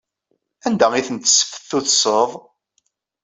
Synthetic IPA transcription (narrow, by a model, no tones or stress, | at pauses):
ænd̪æiθənt̪ːə̥sːə̥fə̥θːuθsəðˤ